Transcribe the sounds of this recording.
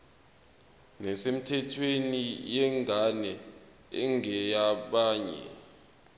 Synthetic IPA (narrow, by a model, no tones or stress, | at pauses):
nɛsem̩tʰɛtʰwenijɛŋʱanɛ | ɛŋɛjaɓaːɲɛ̰